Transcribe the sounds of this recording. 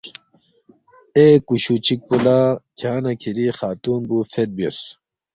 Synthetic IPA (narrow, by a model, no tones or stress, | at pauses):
ekuɕut͡ɕik̚pulakʰaːnɐkʰiɾixaːt̪uːnbufet̪̚bijos